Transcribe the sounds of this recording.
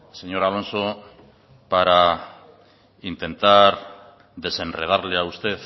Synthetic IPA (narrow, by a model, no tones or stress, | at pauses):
se̞ɲo̞ɾalo̞nso̞ | paɾa | int̪e̞nt̪aɾ | ðe̞se̞nreð̞aɾle̞aust̪e̞θ